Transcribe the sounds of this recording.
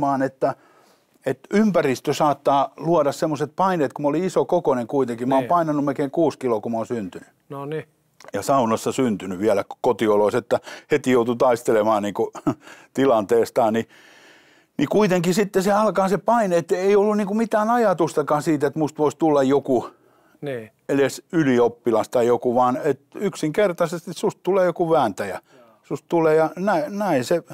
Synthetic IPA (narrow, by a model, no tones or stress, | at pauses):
mɑːnet̪ːæ | et̪ympærist̪øsɑːt̪ːɑːluɑɾɑssemːoset̪̚pɑineːt̪kumoliisokokoneŋkuit̪eŋkimæoːmpɑinɑnːumelkeːŋkuːskilokumoːnsynt̪yny | noni | jɑsɑunɑsːɑsynt̪ynyʋiælækkot̪ioloiset̪ːæhet̪ijout̪ut̪ɑist̪elemɑːnniːŋkut̪ilɑnt̪eːst̪ɑːni | nikuit̪eŋkisit̪ːeseɑlkɑːsepɑineet̪ːeiolːunniːkumit̪æːnɑjɑt̪ust̪ɑkɑːsiːt̪et̪must̪ʋoist̪ulːɑjjoku | nː | elesyliopːilɑst̪ɑjjokuʋɑːnet̪yksiŋkert̪ɑsest̪issust̪t̪uleːjokuʋæːnt̪æjæ | sust̪t̪uleːjɑnæinæinse